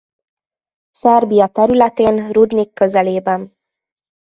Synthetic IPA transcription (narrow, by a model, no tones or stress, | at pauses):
sɛrbijɒt̪ɛɾylɛt̪eːnrud̪nikʰːøzɛleːbɛn